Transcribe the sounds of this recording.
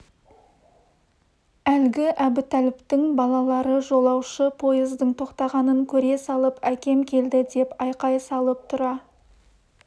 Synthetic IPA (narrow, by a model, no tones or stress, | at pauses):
ælɡʲɪʔæbɪt̪ʰælɪpt̪ɪŋbɑlˠɑlˠɑɾəʒo̞lˠɑwʃəpʰo̞jɪzd̪əɴt̪ʰo̞qt̪ɑʁɑnəŋkʲʰɵɾe̞sɑlˠəpækʲe̞mkʲʰe̞ld̪ɪd̪e̞pɑjqɑjsɑlˠəp̚t̪ʰʊɾɑ